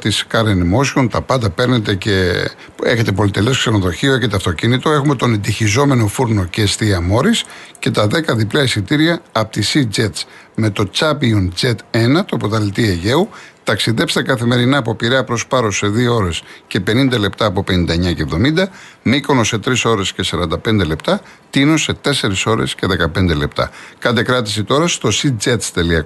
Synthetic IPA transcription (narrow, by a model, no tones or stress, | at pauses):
t̪iskɐɾenðimo̞siont̪ɐpɐnd̪ɐpe̞ɾnet̪e̞ce | e̞çe̞t̪epo̞lit̪e̞lo̞skseno̞ðo̞çio̞e̞çe̞t̪eɐft̪o̞cinit̪o̞e̞xume̞t̪o̞ne̞nd̪içizo̞me̞no̞fuɾno̞ceːst̪iɐmo̞ɾisce̞t̪ɐðe̞kɐðiplɐisit̪iɾiɐːpo̥t̪isid͡zet̪s | me̞t̪o̞t͡sɐpiund͡zet̪e̞nɐt̪oɐpot̪ɐlit̪ieʝe̞ut̪ɐksiðe̞pst̪ekɐθime̞ɾinɐːpo̞piɾeɐpɾo̞spɐɾose̞ðioo̞ɾe̞sce̞pe̞nind̪ɐle̞pt̪ɐːpope̞nĩnd̪ɐeɲɐce̞vðo̞mind̪ɐmikonose̞t̪ɾiso̞ɾe̞sce̞sɐɾɐnd̪ɐpe̞nd̪e̞le̞pt̪ɐ | t̪inose̞t̪e̞se̞ɾiso̞ɾe̞̰sce̞ðe̞kɐpe̞nd̪e̞le̞pt̪ɐ̰kɐt̪e̞kɾɐt̪i̥sit̪o̞ɾɐst̪o̞sid͡zet̪st̪e̞liɐko